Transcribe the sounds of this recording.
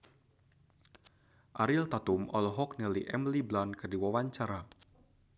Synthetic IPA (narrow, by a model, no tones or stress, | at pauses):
ʔaɾilt̪at̪umʔɔ̰lɔɦɔk̚nɛliʔɛmliblankərdiwawaɲt͡ʃaɾa